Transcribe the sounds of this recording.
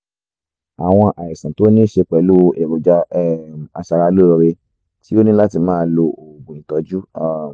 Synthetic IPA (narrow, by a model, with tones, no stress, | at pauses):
a˨w̃ɔ̃˧ʔa˨i˨sã˨˦to˦nĩ˦ʃe˧k͡pɛ˨lu˦˧e˨ɾu˨d͡ʒa˦˨a˧ʃa˧ɾa˧˦lo˦ɾɔ˧ɾe˧ | ti˦o˦nĩ˦la˦ti˧mãː˦lo˧o˨ɡũ˨ĩ˨tɔ˨˧˦d͡ʒu˦a˦